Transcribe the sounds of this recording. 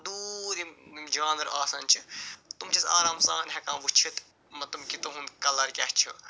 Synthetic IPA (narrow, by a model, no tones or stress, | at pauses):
d̪uːɾimimd͡ʒaːnɐɾaːsɐnt͡ʃʰit̪umt͡ʃʰisa̰ːɾaːmsaːnɦɛkã̰ːʋut͡ʃʰit̪ | mɐt̪umkit̪oɦunkɐlɐɾkʲɐht͡ʃʰu